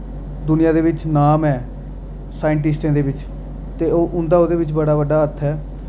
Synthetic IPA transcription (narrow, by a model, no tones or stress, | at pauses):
d̪ʊnɪjãːd̪eːʋɪt͡ʃnaːmɛː | saːjɪɳʈɪsʈẽːd̪eːbɪt͡ʃ | t̪eːoːʔʊnd̪aːoːd̪eːbɪt͡ʃbəɽaːbəɖaːət̪ʰːɛː